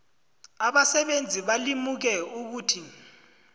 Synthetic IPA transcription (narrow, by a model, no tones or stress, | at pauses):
aɓasɛɓend͡zʱiɓalimuk̬ɛuk̬uːtʰi